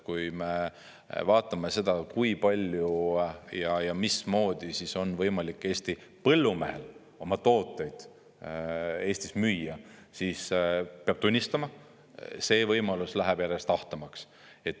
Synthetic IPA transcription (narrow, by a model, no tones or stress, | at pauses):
kujme̞ | vɑːt̪ːˑɑme̞se̞d̪̥ɑkujpɑlʲjujɑjɑmismo̞ːd̪̥isiso̞nvɤjmɑlikːˑe̞ːst̪ipɤ̞lːumḛhe̞̰l | o̞mɑt̪o̞ːt̪ːˑe̞jd̪̥ | e̞ːsʲt̪ismyjːɑsispeɑb̥̚t̪unʲːist̪ɑmɑ | se̞ːvɤjmɑluslæɦæb̥jæɾe̞st̪ɑht̪ɑmɑks | e̞t̪ːˑ